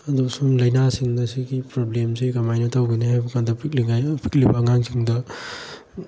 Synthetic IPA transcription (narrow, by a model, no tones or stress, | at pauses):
adusumlɐjnasiŋdɐsiɡipɾoblemsikamajnɐtawɡinihajbɐkʰandɐpʰik̚liŋajpʰi̥k̚libɐːŋaŋsiŋdɐ